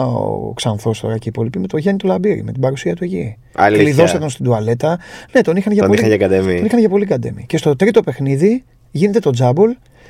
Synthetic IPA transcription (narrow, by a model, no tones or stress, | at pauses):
o̰ksɐnθo̞st̪o̞̰ɾɐceipo̞lipime̞t̪o̞ʝenit̪olɐbiɾḭme̞t̪ibɐɾusiɐt̪ueci | ɐ̰liliðo̞set̪onst̪id̪uɐle̞t̪ɐne̞t̪o̞nixɐnʝɐpoliɐʝɐkɐd̪eminixɐnʝɐpo̞liɡɐd̪ḛmḭce̞st̪o̞t̪ɾit̪o̞pe̞xniði | ʝine̞t̪e̞t̪o̞d͡zɐbul